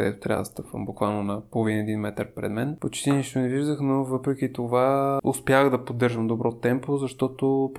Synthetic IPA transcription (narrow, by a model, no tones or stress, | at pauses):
əd̪ɛ̰t̪o̥t̪ɾʲa̰və̰d̪̰st̪ɤpvə̰mbokvalˠnonɐpolˠovinɛd̪inmɛt̪əɾpɾɛ̰d̪mɛnpot͡ʃt̪iniʃt̪onɛviʒd̪əxnovɤpɾɛk̟it̪ovaʊspʲjaxd̪ɐpod̪ːɤɾʒəmd̪obɾɔt̪ɛmpozɐʃt̪ɔt̪op